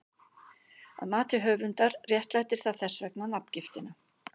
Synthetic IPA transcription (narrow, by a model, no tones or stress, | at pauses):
a̰ðmaːt̪ɪɦœːvʏnt̪aɾrjɛht̪lajt̪ɪɾ̥θaðθɛsːvɛknanap̚n̥cɪft̪ɪna